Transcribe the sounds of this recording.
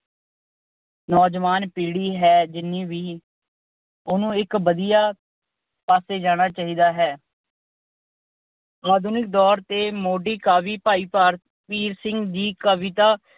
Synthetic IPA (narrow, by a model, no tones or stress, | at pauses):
nɔːd͡ʒʋaːnpiːɽiːɦɛːd͡ʒɪnːiːʋiː | ʊnũːɪkbəd̪ijaː | paːseːd͡ʒaːɽ̃aːt͡ʃaːɦiːd̪aːɦɛː | aːd̪ʱuːnɪk̚d̪ɔːɾt̪eːmoːɖiːkaːʋiːpaːiːpaːɾt̪ | piːɾsɪ̃ŋɡd͡ʒiːkəʋɪt̪aː